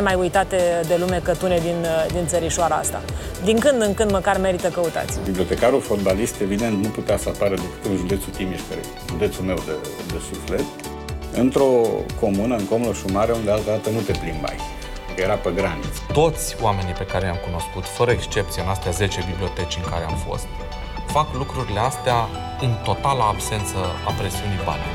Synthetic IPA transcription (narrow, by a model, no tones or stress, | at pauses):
emajujt̪at̪e̞d̪e̞lume̞kət̪uned̪ind̪int̪səɾiʃoaɾaa̰st̪a̰ | d̪iŋkɨnd̪ɨŋkɨnd̪məkarme̞ɾit̪əkəut̪a̰t̪sʲbibliot̪e̞kaɾulfot̪̚balist̪e̞vid̪e̞nt̪nuput̪easəapaɾəd̪upə̥kəunʒud̪e̞t̪sut̪imiʃpḛ | ʒud̪e̞t̪sulme̞wd̪e | d̪esuflet̪ | ɨnt̪ɾo̞ko̞munəɨŋkomuloʃumaɾeund̪ealt̪ad̪at̪əmult̪eplimba̰j | kəjeɾapeɡɾanit̪st̪o̞t̪sʲoame̞nijpe̞kaɾelʲamkuno̞skut̪fəɾəekst͡ʃe̞p̚t̪sijanast̪eaze̞t͡ʃe̞biblio̞t̪e̞t͡ʃʲɨŋkaɾeamfo̞̰st̪ | faklukɾuɾileast̪ea | ɨnt̪o̞t̪alaːbse̞nt̪səapɾe̞siuniba̰nʲ